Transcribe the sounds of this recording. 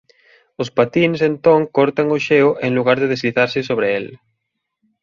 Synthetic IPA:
ospat̪insent̪oŋkoɾt̪aŋoʃeoʔeŋluɣaɾðeð̞ezliθaɾsesoβ̞ɾeel

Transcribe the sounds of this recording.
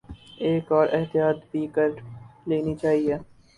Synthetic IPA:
eːkɔːɾʔɪɦt̪ijaːt̪biːkəɾleːnit͡ʃaːɦieː

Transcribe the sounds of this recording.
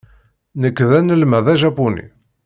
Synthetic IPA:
nəkːðænəlmæðæʒæpunḭ

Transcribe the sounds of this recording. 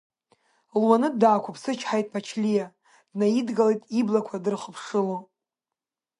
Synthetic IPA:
lwanɨdaːkʷʰʊpʰsɨt͡ʃʰħajtʼpʰat͡ʃʰlʲija | dnaidɡalejtʼiblakʷʰadɨrχəpʰʂɨlo

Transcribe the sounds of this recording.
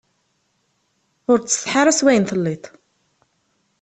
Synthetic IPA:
ʊɾt͡sːə̥θħaɾˤæswæjənθəlːit̪ˤ

